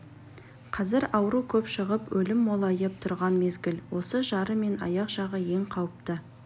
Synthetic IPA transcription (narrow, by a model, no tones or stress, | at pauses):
qʰɑzɪɾɑwəɾukʲʰɵpʃəʁəpwʔɵlɪmːolˠɑjəp̚t̪ʰʊɾʁɑnme̞zɡʲɪlwo̞səʒɑɾəme̞nɑjɑqʒɑʁəje̞ŋqʰɑwəp̚t̪ə